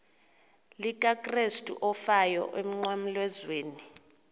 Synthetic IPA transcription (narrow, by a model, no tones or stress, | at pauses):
likʼakʼrestʼṵʔɔfajɔ̰ʔem̩ŋ͡ǃwam̩lwɛzweːni